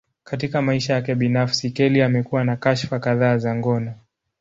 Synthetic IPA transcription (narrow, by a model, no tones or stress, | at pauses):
katikamaiʃajakɛɓinafsikɛliamɛkuwanakaʃfakaðaːzaŋɡɔna